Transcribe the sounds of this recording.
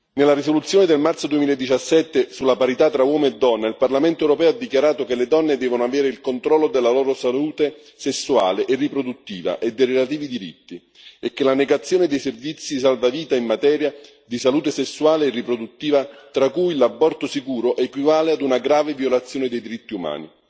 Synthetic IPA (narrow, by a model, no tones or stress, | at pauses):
nelːaɾisolut̪sːjoːned̪elmart̪sod̪uemiːlaed̪ːit͡ʃasːɛt̪ːesulːapaɾit̪at̪ːɾawɔːmeed̪ːɔnːailparlamɛnt̪oɛwɾopɛːoad̪ːikjaɾaːt̪okeled̪ɔnːed̪ɛːvonoavɛːɾeilkont̪ɾɔlːod̪elːalɔːɾosaluːt̪e | sesːua̰ːleʔerːipɾod̪ut̪ːiːva̰ʔed̪ːerelat̪̬iːvid̪iɾḭt̪ːi | ekːelaneɡat̪sːjoːnɪd̪ejservit̪sːis̬alvaviːt̪aimːat̪ɛːɾja | d̪isaluːt̪esesːuaːleːrːipɾod̪ut̪ːiːvat̪ɾakujlabːɔrt̪osikuːɾoʔɛkwivaːlead̪unaɡɾaːvevjolat̪sːjoːnɪd̪ejd̪iɾit̪ːiuma̰ːni